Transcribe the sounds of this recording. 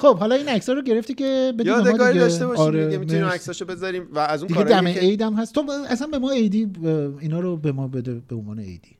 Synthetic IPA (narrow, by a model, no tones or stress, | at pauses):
χob̥hɒlɒiːnæcsɒːɾoɟe̞ɾe̞ft̪icʲʰe̞be̞dibed̪ɒːd̪iɡedɒʃt̪eʃɒɾeiemiminiimæksɒʃobe̞zɒɾimvæːzũd̪iɡɡeɾd̪æmeejd̪æmhæst̪ʰobæsænbe̞mɒːejd̪iːinɒːɾobe̞mɒːbe̞d̪ebeonvɒ̰ːneḛjd̪̥i